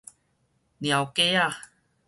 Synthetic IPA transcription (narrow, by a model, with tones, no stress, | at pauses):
nj̃a˨˩wke˦a˧